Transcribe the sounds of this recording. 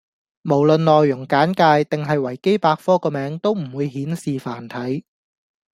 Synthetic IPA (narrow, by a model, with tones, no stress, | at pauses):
mo˨˩wlɵ˨nlɔː˨jːʊ˨˩ŋkaː˨˥nkaː˧jt̪ɪ˨ŋɦɐ˨jwɐ˨˩jke˥jpaː˧k̚fɔː˥kɔː˧mɛː˨˧˥ŋt̪o˥wm̩˨˩wuː˨˧jhiː˨˥nsiː˨faː˨˩nt̪ʰɐ˨˥j